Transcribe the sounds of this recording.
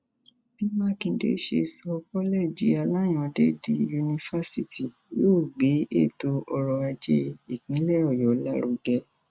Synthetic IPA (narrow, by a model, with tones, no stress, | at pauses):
b̥i˦mãː˦kĩ˧dḛ˧˦ʃḛ˧sɔ˧kɔ˦lɛ˦˨d͡ʒi˧˦a˧la˦j̃ɔ̃˧de˦di˧ju˧nĩ˧fa˦si˦ti˨ | jo˦˨ɡ͡be˨˦e˦˨to˧ɔ˧ɾɔ˧a˧d͡ʒe˦˧i˨k͡pĩ˨˦lɛ˦ɔ˦˨jɔ˨˦la˦ɾo˨˧ɡɛ˧˦